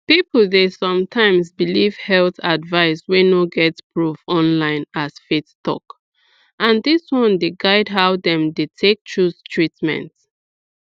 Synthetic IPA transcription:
pipl̩ˠdesɔ̃mtʰãɪ̃msbiliv̥hɛlθadvaɪswenoɡɛtpɹuvɔ̃nlãɪ̃nasfettɔ̰k | ʔãndɪswɔ̃ndeɡaɪdɦaʊdɛ̃mdetʰek̚tʰɹustʰɹitmɛ̰̃nt

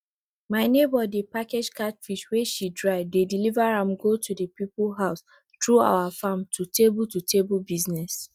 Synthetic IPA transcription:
maɪnebɔdipaked͡ʒkatfiʃweʃidɹaɪvdedilivaɹãmɡotʰudəpiplɦaʊs | tɹua̰ʊafãmtʰutebultutʰebulbiznɛs

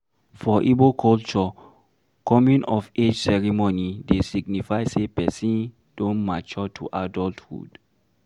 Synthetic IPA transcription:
fɔʔibokʰɔlt͡ʃɔ | kɔmũnɔfed͡ʒsɛɹimonidesiɡ̚nifaɪsepɛsĩn | d̥õnmat͡ʃɔtʰuʔadɔlthṵd̥

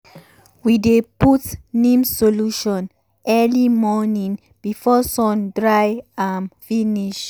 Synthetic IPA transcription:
wideputnĩmsoluʃɔ̃n | ʔɛlimɔnĩŋ | b̥ifɔsɔ̃ndɹajãnfĩniʃ

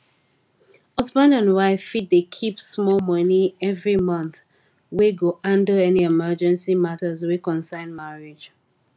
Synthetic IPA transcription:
hʌzbə̃ndãnwaɪfit̚dekʰipsmɔlmʌniɛvɹimʌ̃nθ | weɡoʔãndəɛniɛmɜd͡ʒɛ̃nsimatəzwikɔ̃nsãɪ̃nmaɹid͡ʒ

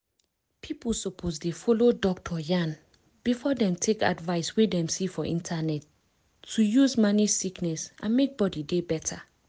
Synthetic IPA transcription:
pʰiplsɔpʰozdefɔlodɔk̚tʰɔjãn | b̥ifɔdɛ̃mtʰeka̰dvaɪswedɛ̃msifɔʔḭ̃ntʰanɛtʰː | ujuzmanisiknɛsʔãnmek̚bɔdidebɛtʰa

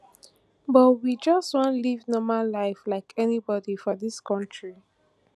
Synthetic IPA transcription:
bɔtwid͡ʒʌstwɔ̃nlivnɔmalaɪflaɪkʰɛnibɔdifɔðiskʰɔ̃ntʰɹi

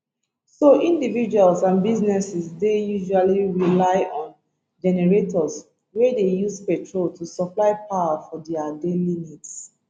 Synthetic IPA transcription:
soʔĩndivid͡ʒualsãnbiznɛsisdejuʒualiɹilaɪɔ̃n | d͡ʒɛnɛɹetʰɔs | wɛdejuspɛtʰɹoltʰusɔplaɪpʰawafɔdɛadelinits

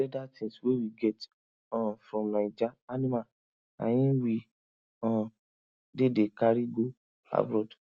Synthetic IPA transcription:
ɛdatĩswewiɡɛt | ɔ̃fɾɔ̃mnãid͡ʒaanĩma | a̰j̃ĩwi | ɔ̃ | dedekaɾiɡo | a̰bɾɔd

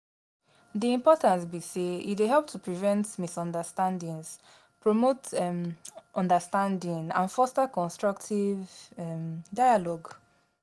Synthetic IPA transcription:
diĩmpɔtãntbiseḭtweɦɛlp̚tʰupɹivɛ̃ntmisɔ̃ndəstãndĩŋs | pɹɔmot | ʔɔ̃ndəstãndĩŋã̰nfɔstakɔ̃nstɹɔktʰivɛmdaɪalɔɡ

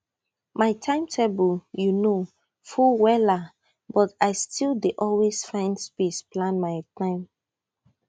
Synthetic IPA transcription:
maɪtʰãɪ̃mtʰebəljuno | fuwɛla | bɔtaɪstʰildeʔɔlwesfãɪ̃ndspesplãnmaɪtʰãɪ̃m

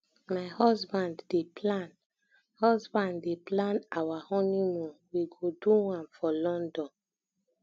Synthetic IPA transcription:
maɪhɔsbãndːeplãn | hɔsbãnːeplãnawahɔnimɔ̃wiɡoduwãnfɔlɔ̃ndɔ̃n

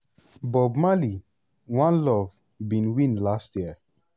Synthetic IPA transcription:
bɔbmali | wãnlɔv | bĩnwĩnlastjiə

